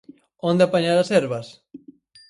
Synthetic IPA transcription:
õnd̪ɪapaɲaɾasɛɾβɐs

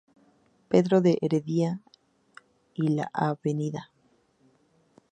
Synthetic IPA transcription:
pe̞ðɾoðeʔeɾeðia | ila̰ʔaβe̞niða

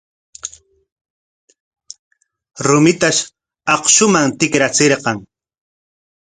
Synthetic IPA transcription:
ɾʊmɪt̪aʃ | ɑχʃʊmaŋt̪ɪkɾat͡seɾqɑŋ

